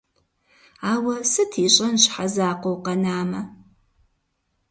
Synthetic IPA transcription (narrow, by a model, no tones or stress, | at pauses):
aːwɐsɨtʰiːɕʼɐnɕħazaːqʷowqɐnaːmɐ